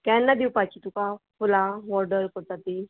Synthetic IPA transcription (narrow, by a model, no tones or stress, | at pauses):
kɛnːad̪iwpat͡ɕit̪ukafulaʋɔɾɖəɾkɔɾt̪at̪i